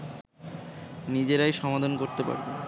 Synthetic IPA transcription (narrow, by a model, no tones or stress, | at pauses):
nid͡ʑeɾajʃɔmad̪ʱonkoɾt̪epa̰ɾbe